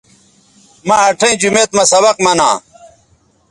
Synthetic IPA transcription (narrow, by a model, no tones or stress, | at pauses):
maɐʈʰẽĩd͡ʑumeːt̪mɐsɐβɐqmɐnãː